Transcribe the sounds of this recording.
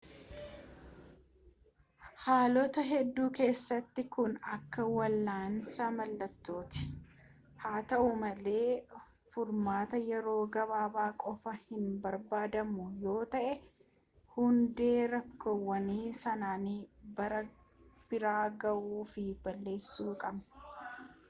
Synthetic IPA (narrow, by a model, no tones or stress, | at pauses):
haːlɔt̪ɐɦɛd̪ːuːke̞ːsːɐt̪ːɪkʊnɐkːɐwɐlːaːnsaːmɐlːɐt̪ːo̞ːt̪ɪ̥ | haːt̪ɐʔʊmɐle̞ː | fʊɾmaːt̪ɐjɛɾo̞ːɡɐβaːbaːkʼɔfɐhɪnbɐɾbaːd̪ɐmʊjo̞ːt̪ɐʔɛ | hʊnd̪e̞ːɾɐkːowːɐniːsɐnaːnibɐɾɐ | b̥ɪɾaːɡɐʔuːfɪbɐlːe̞ːsːuːkʼɐbnɐ̥